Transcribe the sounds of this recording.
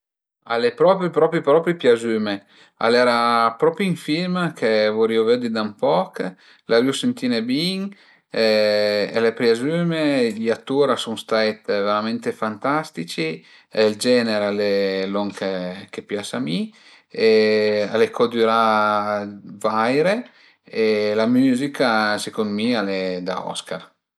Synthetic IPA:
a̰lepɾɔpɾipɾɔpipɾɔpɾipjazyːme | a̰lɛɾapɾɔpɾiiɱfilmkʰevoɾioved̪id̪ampɔk | laɾyusent̪iːnebiŋ | elepɾjazymeʎat̪ːuːɾasuŋst̪ajt̪veɾament̪efant̪ast̪it͡ʃi | eld͡ʒɛːneɾalelɔŋkʰekepjasami | ealekʰɔd̪yɾa | vajɾe | elamyːzikasekond̪mialed̪a̰ɔ̰skaɾ

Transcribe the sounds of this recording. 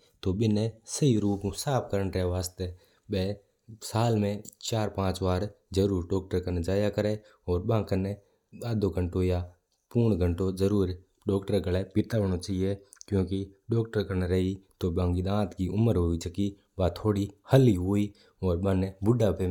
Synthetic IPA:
t̪oɓɪnesəiɾuːpũsaːp̚kəɾənɾɛʋaːst̪e | ɓeː | saːlmẽt͡ʃaːɾpãːt͡ʃʋaːɾ | d͡ʒəɾuːɾɖɔːk̚ʈəɾkənd͡ʒaːjakəɾe | ɔːɾbãːŋkəne | aːd̪oɡə̃ɳʈoja | puːɳɡə̃ɳʈod͡ʒəɾuːɾ | ɖɔːkʈəɾɡəlepɪt̪aːʋɽot͡ʃaːɦie | kjõːkiɖɔːkʈəɾkəɾnɾəɦit̪oːbãːŋɡid̪ãːt̪kiʊməɾɦʊit͡ʃəki | baːt̪ʰoːɽihəliɦʊi | ɔːɾbənebʊɖape

